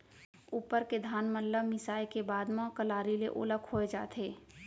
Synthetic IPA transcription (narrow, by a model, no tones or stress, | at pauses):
uːpəɾked̪ʱaːnməlːəmɪsaːjkebaːd̪mãkəlaːɾileʔo̰ːləkʰoːed͡ʒa̰ːt̪ʰeː